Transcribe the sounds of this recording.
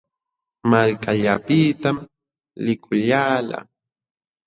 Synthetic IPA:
malkaʎapit̪am | lɪkʰʊʎaːla̰

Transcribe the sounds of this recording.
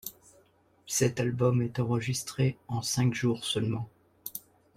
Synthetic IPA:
sɛt̪albɔmɛt̪ɑ̃ʁəʒist̪χeɑ̃sɛ̃kʒuʁsœlmɑ̃

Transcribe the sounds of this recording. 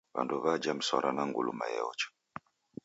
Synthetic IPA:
βa̰nduβad͡ʒam̩swɔɾʔanaŋɡulumajɛ̰ɔt͡ʃɔ̥

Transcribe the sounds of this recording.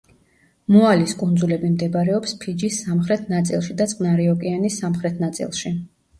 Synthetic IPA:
mualiskʼund̪zulɛbimd̪ɛbaɾɛɔpspʰid͡ʒisːamχɾɛt̪ʰnat̪sʼḭlˠʃid̪at̪sʼqʼnaɾiɔkʼianisːamχɾɛt̪ʰnat̪sʼḭlˠʃi

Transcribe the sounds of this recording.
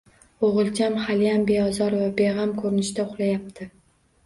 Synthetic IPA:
oʁɨlˠt͡ʃʰamhalɪjambe̞ɒzɒɾvabe̞ʁamkʰɵɾɪnɪʃt̪aʊχlˠajap̚t̪ʰɪ

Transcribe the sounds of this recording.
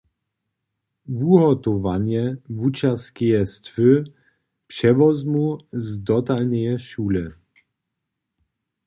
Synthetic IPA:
vuɦɔt̪ɔvanjɛvut͡ʃaskʲɛjɛst̪fɘ | pʂɛvɔzmuzd̪ɔt̪alnɛjɛʃuːlɛ

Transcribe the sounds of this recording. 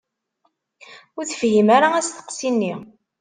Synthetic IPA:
ʊɾθəfhimaɾaæst̪ə̥qsinːi

